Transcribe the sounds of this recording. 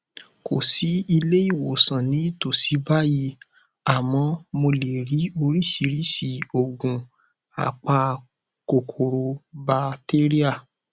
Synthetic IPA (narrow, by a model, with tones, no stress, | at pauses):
ko˨si˨˦i˧le˦i˦˨wo˨sã˨nĩ˨˦to˨si˨˦ba˦ji˧ | a˨mɔ̃˧mo˧le˨ɾi˨˦o˧ɾi˦˨si˨˦ɾi˦si˦˨o˨ɡũ˨ | a̰˨k͡pa˧ | ko˨kʰo˨ɾo˧ba˧te˦ɾi˦a˦˨